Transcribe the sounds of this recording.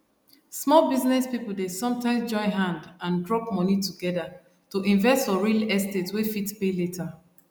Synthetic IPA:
smɔlbiznɛspipul̩desɔ̃mtãɪ̃msd͡ʒɔ̃ɪɦãndãndɹɔpmɔnituɡɛda | toʔĩnvɛstfɔɹilɛstetswefitpeletʰa

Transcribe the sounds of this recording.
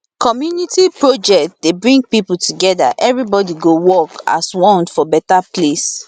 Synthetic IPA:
kʰɔmjunitipɹod͡ʒɛkt̚debɹĩŋɡ̚pipul̩tuɡɛda̰ʔɛvɹibɔdiɡowɔka̰swɔ̃ntfɔbɛtaples

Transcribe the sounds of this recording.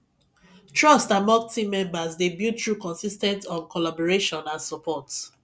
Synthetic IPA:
tʰɹɔstamɔ̃ŋ̚tʰĩmɛ̃mbazdebjutʰɹukɔ̃nsistɛ̃ntɔ̃nkɔlabɔɹeʃɔ̃nãnsɔpʰɔt

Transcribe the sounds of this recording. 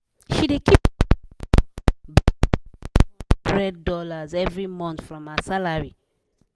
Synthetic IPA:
ʃidekʰip | bɹɛd̚dɔlazɛvɹimɔ̃nθfɹɔ̃masalaɹi

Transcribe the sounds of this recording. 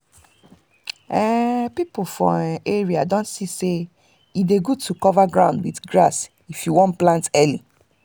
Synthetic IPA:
ɛpipofɔ̰̃eɹiadõnsise | ideɡutʰukɔvaɡɹã̰ʊ̃ndwiθɡɹas | ifjuwɔ̃nplãntɛlĩ

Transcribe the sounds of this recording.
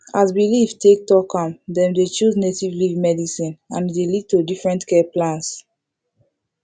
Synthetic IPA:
asbilivtek̚tɔkɔ̃mdɛ̃mdet͡ʃuznetivlivmɛdisĩnãndelid̚todifɹɛ̃ntkɛplãnts

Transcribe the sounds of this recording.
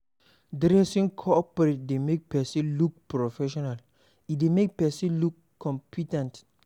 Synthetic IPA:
dɾɛsĩŋkʰɔpɔɾet̚demek̚pɛsĩluk̚pɾofɛʃɔnal | idemek̚pɛsĩlukʰːɔ̃mpʰitãnt

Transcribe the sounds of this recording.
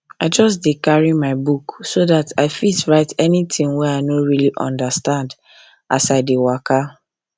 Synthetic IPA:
aɪd͡ʒɔsdikaɹimaɪbuksoðataɪfisɹaɪtɛnitɪ̃ŋwɛaɪnoɹiliʔɔ̰̃ndastãnd | asaɪdewaka

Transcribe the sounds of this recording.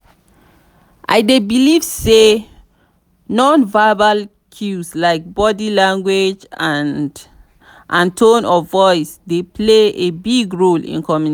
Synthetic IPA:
ʔa̰ɪdebilivse | nɔ̃nvaɪbal | kʰjuslaɪk̚bɔdilãŋɡwed͡ʒãnd | ʔãntʰõnɔvɔɪsdepʰleebiɡɹolḭ̃nkʰɔmjun

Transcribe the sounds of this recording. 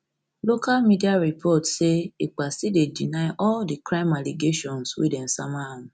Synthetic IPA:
lokalmĩdiaɾipʰɔtʃeik͡pasidedinãjʔɔldikɾãɪ̃maliɡeʃɔ̃nswḛdɛ̃n̩samãũ

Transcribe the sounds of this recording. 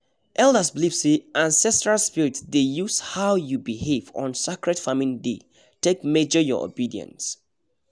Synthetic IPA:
ʔɛlˠdəsblipsiʔãnsɛstɹalspiɹitsdejushaʊjubihevɔ̰̃nsikɹɛtfamĩnde | tekmed͡ʒəjɔ̰o̰bidiə̰̃ns

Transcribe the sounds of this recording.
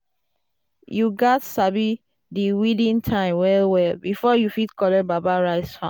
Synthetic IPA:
juɡɔtsabi | diwidĩntʰãɪ̃mwɛlwɛlbifɔjufitkɔlɛbabaɹaɪsfã̰

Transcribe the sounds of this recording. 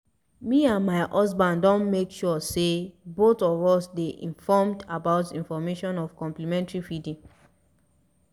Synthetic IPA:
miãnmaɪʔɔs̬bãndɔ̃nmekʃɔsebotɔvɔsdeʔḭ̃ɱfɔmdabaʊtĩnfɔmeʃɔ̃nɔvkɔ̃mplimɛ̃ntɹifidĩm

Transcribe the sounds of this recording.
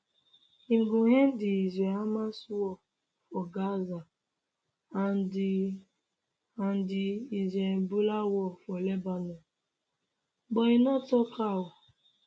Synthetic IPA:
iŋ̩ɡʊɦen̩dɪizeamaswɔ | fɔɡaza | an | an̩dɪizebulawɔfɔlebanɔ | ɡ͡bɔinɔtɔkawɔ

